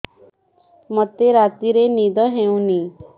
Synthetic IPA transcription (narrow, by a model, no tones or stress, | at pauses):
mɔt̪eɾat̪iɾenid̪ɔɦeũni